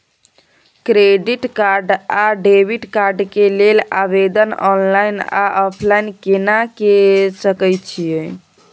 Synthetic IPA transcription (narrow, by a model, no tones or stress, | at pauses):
kɾeɖiʈkaɾɖaɖebiʈkaɾɖkelelabed̪ənɔnlajna̰ʔɔpʰlajnkenakesəkəjt͡ʃʰije